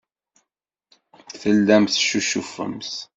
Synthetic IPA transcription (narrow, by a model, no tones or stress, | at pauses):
θəlːæmθʃuʃufə̰mθ